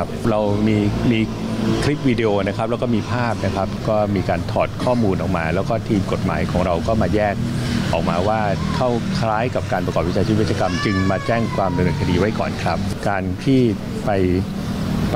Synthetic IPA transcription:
p̚ɾa˧wmiː˧miː˧ | kʰɾi˦˥p̚wiː˧di˧ʔoː˧na˦˥kʰa˦p̚lɛ˦˥wkɔː˥˩miː˧pʰaː˥˩p̚na˦˥kʰɾa˦˥p̚kɔː˥˩miː˧kaː˧nt̪ʰɔː˨˩t̪̚kʰɔː˥˩muː˧nʔɔː˨˩k̚maː˧lɛː˦˥wkɔː˥˩t̪ʰiː˧mko˨˩t̪̚ma̰ː˩˦jkʰɔː˩˦ŋɾa˧wkɔː˥˩maː˧jɛː˥˩k̚ʔɔː˨˩k̚maː˧waː˥˩kʰa˥˩wkʰlaː˦˥jka˨˩p̚kaː˧npɾa˧kɔː˨˩p̚wi˦˥t͡ɕʰaː˧i˦˥wt̪t͡ɕaː˧ka˧mt͡ɕɯ˧ŋmaː˧t͡ɕɛː˥˩ŋkʰwaː˧mda˧nɯː˧nkʰa˧diː˧wa˦˥jkɔː˨˩nkʰɾa˦˥p̚kaː˧nt̪ʰiː˥˩ | pa˧j

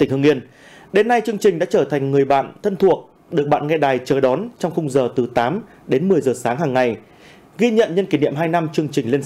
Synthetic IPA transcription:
t̪ï˧˩ŋ̟hɨ˧ŋi˧ən | ɗe˨˦nːa˧jt͡ɕɨ˧əŋt͡ɕï˨˩ŋ̟ɗa̰ː˧˥t͡ɕəː˧˩t̪ʰa˨˩jŋ̟ŋɨ˨˩əjɓa̰ː˧˨nt̪ʰə˧nt̪ʰu˨˩ək̚ | ɗɨ˨˩ək̚ɓa̰ː˧˨nŋɛ˧ɗaː˨˩jt͡ɕəː˨˩ɗɔ˨˦nt͡ɕɔ˧wŋ͡mxʊ˧wŋ͡mzəː˨˩t̪ɨ˨˩t̪aː˨˦m | ɗe˨˦nmɨ˨˩əjzəː˨˩saː˨˦ŋɦaː˨˩ŋːa˨˩j | ɣi˧ɲə̰˧˨nɲə˧nki˧˩nḭ˧˨əmɦaː˧jna˧mt͡ɕɨ˧əŋt͡ɕï˨˩ŋ̟le˧ən

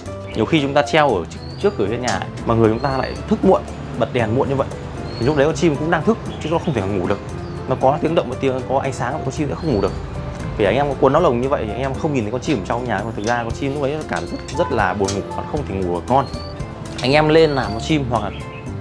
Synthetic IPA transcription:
ɲi˨˩əwxi˧t͡ɕʊ˨˦ŋ͡mt̪aː˧t͡ɕɛ˧wʔəː˧˩ | t͡ɕɨ˦˥əkːɨ˧˩ə˩vi˧nɲaː˨˩ə̰˨jmaː˨˩ŋɨ˨˩əjt͡ɕʊ˨˦ŋ͡mt̪aː˧la̰ː˧˨jt̪ʰɨ˦˥k̚mṵ˧˨ən | ɓə˨˩t̚ɗɛ˨˩nmṵ˧˨nɲɨ˧və̰˧˨j | t̪ʰi˨˩lk̚ɗə˨˦kɔ˨˦nt͡ɕi˧m˨kʊ̰˧˥ŋ͡mɗaː˧ŋt̪ʰɨ˦˥k̚t͡ɕk̚xŋ͡mt̪ʰe˧˩kɔ˨˩ŋu˧˩ɗɨ˨˩ək̚ | nɔ˨˦kɔ˨˦t̪i˨˦əŋɗə̰˧˨wmɔ˨˩t̪i˨˦ə˦kɔ˨˦ʔa̰˧jŋ̟saː˨˦ŋ̰˨˧˨kɔ˨˦t͡ɕi˧msɛ̰˧˥xə˧wŋ͡mŋu˧˩˨ɨ˨˩ək̚ | t̪ʰi˨˩˨a˧jʔɛ˧mkɔ˨˦kwnːə˨˦wlə˨˩wŋ͡mɲɨ˧və̰˧˨j̪ʰi˨˩ʔa˧ŋ̟ʔɛ˧mxə˧wŋ͡mɲi˨˩t̪ʰkɔ˧˦t͡ɕi˧mə˨˩˦t͡ɕa˧wɲaː˨˩˨t̪ɨ˨˩zaː˧˨kɔ˨˦nt͡ɕi˧mnl̚ɗə˨˦˥kaː˧˩˨zə˦˥t̚zə˦˥t̚laː˨˩ɓu˨˩ənŋu˧˩wa˨˩˨la˨xə˧wŋ͡mt̪ʰe˧˩ŋu˨˧˩vəː˨˩ŋɔ˧n | ʔa˧jŋ̟ʔɛ˧mle˧nlaː˨˩mkɔ˨˦t͡ɕi˧mhwa˨k̚laː˨˩

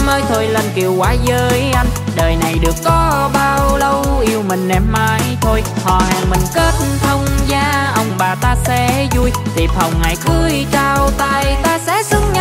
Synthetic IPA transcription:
məː˧jt̪ʰo˧jlə˧nki˨˩əwkwaː˨˦zəː˧jʔa˧jŋ̟ɗəː˨˩jna˨˩jɗɨ˨˩əkːɔ˨˦ɓaː˧wlə˧wʔi˧əwmï˨˩ŋ̟nɛ˨˩m̚maː˧˩jt̪ʰo˧jhɔ̰˧˨ha̰ː˨˩ŋmï˨˩ŋ̟ke˦˥t̚t̪ʰə˧wŋ͡mzaː˧ʔə˧wŋ͡mɓaː˨˩t̪aː˧sɛ̰˧˥zu˧jt̪ḭ˨˩p̚hə˨˩wŋ͡mŋaː˨˩jkɨ˧˦jt͡ɕaː˧wt̪aː˧˨jt̪aː˧sɛ̰˧˥sɨ˨˧˥ŋ̚ɲa˧

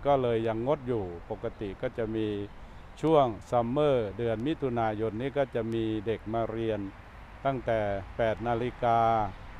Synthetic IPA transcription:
kɔː˥˩lɤː˧jːa˧ŋːo˦˥t̪̚juː˨˩po˨˩kːa˧t̪i˨˩kɔː˥˩t͡ɕa˨˩ʔmiː˧ | t͡ɕʰu˥˩əŋsa˧mːɤː˥˩dɯ˧ənmi˦˥t̪ʰu˧naː˧jo˧nːiː˥˩kɔː˥˩t͡ɕa˨˩ʔmiː˧de˨˩k̚maː˧ɾi˧ən | t̪a˥˩ŋt̪ɛː˨˩pɛː˨˩t̪̚naː˧li˦˥kaː˧

